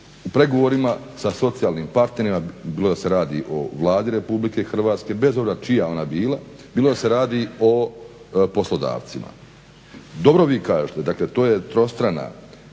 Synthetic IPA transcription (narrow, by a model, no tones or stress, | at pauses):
upɾe̞ɡo̞ʋoɾima | saso̞t̪sijaːlniːmpaɾt̪ne̞ɾimabiːlo̞d̪ase̞ɾaːd̪ḭʔo̞ʋlˠaːd̪iɾe̞publike̞xr̩ʋaːt̪ske̞be̞zobzat͡ʃijao̞nabiːlˠa | biːlod̪ase̞ɾaːd̪io̞ | po̞slo̞d̪a̰ːʋt̪sima̰ | d̪o̞bɾo̞ʋikaːʒet̪e̞d̪akle̞t̪o̞ːjet̪ɾo̞st̪ɾana̰